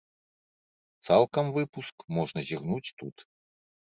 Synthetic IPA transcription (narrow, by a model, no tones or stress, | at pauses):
t̪salˠkɐmvɨpuskmɔʐnɐzʲiɣnut͡sʲt̪ut̪